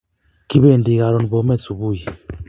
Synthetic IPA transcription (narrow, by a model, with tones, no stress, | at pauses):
ki˦be˦˨ndi˨ka˨ɾɔ˨n˨bɔ˨˦mɛ˦˨t͡su˨bu˦˨ji˨